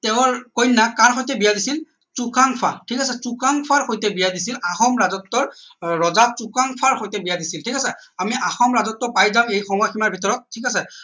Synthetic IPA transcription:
tɛʊ̃ɹkojnːakaɹxojt̬ɛbijadisil | t͡sukaŋpʰatʰikasɛsukaŋpʰaɹxojtɛbijadis̬ilaxɔmɹazɔtːɔɹɹɔzasukaŋpʰaɹxojtɛbijadisiltʰikasɛamiʔaxɔmɹazɔtːɔpajzãmejxɔmɔjaximaɹbʱitɔɹɔt̚tʰikasɛ

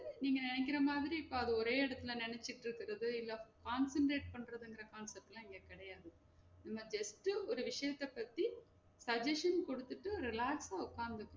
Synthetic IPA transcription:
niːŋɡɐnɪnɛk̬ʲːɪɾɐmaːðɪɾiɪpːoːɐðɯɔɾeːɪɽɐt̪ːɯlɐ̃nɪnɛt͡ʃːɪʈːɪɾɯkːɪɾɐðɯɪlːɐkaːnsɛɳʈɾeːʈ̚pɐɳːɾɐðɯŋɡɪɾɐkaːnsɛp̚ʈlãːɪŋɡeːkɪɽɐjaːðɯ | nɐmːɐd͡ʒɐsʈːɯɔɾɯʋɪʂɐjɐt̪ːɐpːɐt̪ːi | sɐd͡ʒɐʂɐnkɔɽɯt̪ːɯʈːɯɾɪlaːksaːʊkːaːnd̪ɯkːɯɾõ

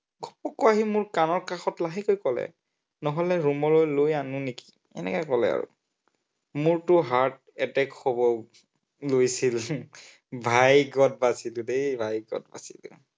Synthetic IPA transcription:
ɡʱɔpɔkɔaɦimʊɹkanɔɹkaxɔtlaɦikojkɔlɛ̰ | nɔɦɔlɛɹumɔlojlojanʊneki̥ | ɛ̰nɛ̰kɔkɔlɛ̰a̰ɹṵ | mʊɹtʊɦaɹt̚ | ɛtɛkʰːɔbɔ | lojsil | bʱajɡɔt̚basilʊdebʱajɡɔ̰t̚ba̰silʊ̰

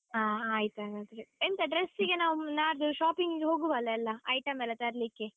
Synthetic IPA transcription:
ɦaːaːjit̪uɐɡɐt̪ɐɾeint̪ɐɖɾesːiɡenaːʋunaːɾd̪uʃaːpiŋɡiɡeɦoːɡuʋɐlːɐːlːɐɐjʈɐmɛlːɐt̪ɐɾlikːe

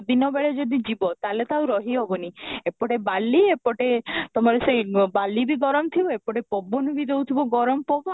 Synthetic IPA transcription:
d̪inɔbeɭed͡ʒɔd̪id͡ʒibɔt̪alet̪awɾɔɦiɦɔbɔniepɔʈebalːiepɔʈet̪ɔmɔɾesejbalːibiɡɔɾɔmt̪ʰibɔepɔʈepɔbɔnibid̪eut̪ʰibɔɡɔɾɔmɔpɔbɔ

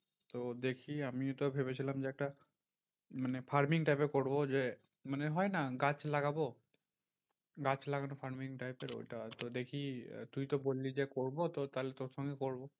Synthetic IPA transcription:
t̪od̪ekʰiamit̪obʱebet͡ɕʰilamd͡ʑeɛk̚ʈa | manefaɾmiŋʈajpekoɾbod͡ʑe | maneɦɔenaɡat͡ɕlaɡabo | ɡat͡ɕlaɡanofʰaɾmiŋʈajpeɾo̰jʈat̪od̪ekʰḭt̪ujt̪obolːid͡ʑekoɾbot̪ot̪alet̪oɾʃɔŋɡekoɾbo

